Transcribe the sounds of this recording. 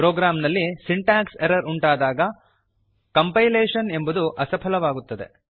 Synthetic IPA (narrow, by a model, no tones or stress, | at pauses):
pɾoːɡɾaːmnɐlːisiɳʈaːkseɾɐɾuɳʈaːd̪aːɡɐ | kɐmpɐjleːʂɐne̞mbud̪uʔɐsɐpʰɐlɐʋaːɡut̪ːɐd̪e̞̰